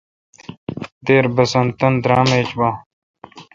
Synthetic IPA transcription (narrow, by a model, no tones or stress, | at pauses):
d̪eːɾbɐsɐnt̪ɐnd̪ɾaːmeːt͡ɕbãː